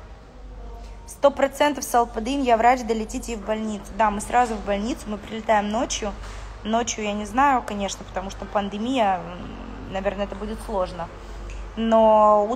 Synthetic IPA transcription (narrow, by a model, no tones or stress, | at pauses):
st̪o̞pɾɐt̪sɛnt̪əfsəlˠpəd̪injavɾat͡ɕd̪əlʲɪtʲitʲvbɐlʲnʲit̪sɨd̪amɨsɾʔazʊvbɐlʲnʲit̪sʊmɨpɾʲɪlʲɪt̪ajɪmno̞t͡ɕjʊ | no̞t͡ɕjʊjanʲɪznajʊkɐnʲe̞ʂnəpə̥t̪ɐmuʂt̪opənd̪ɨmʲijə | nɐvʲe̞rnəɛt̪əbudʲɪt̪slˠo̞ʐnə | no̞u